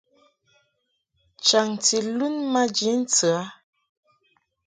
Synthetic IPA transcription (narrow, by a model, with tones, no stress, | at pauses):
t͡ʃa˨ŋti˨lu˦nma˦d͡ʒi˨˦n̩˦t͡sə˨a˨˦